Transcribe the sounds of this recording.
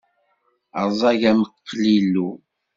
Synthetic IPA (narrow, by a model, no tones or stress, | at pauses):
ə̰zˤɑʝæməqːlilːu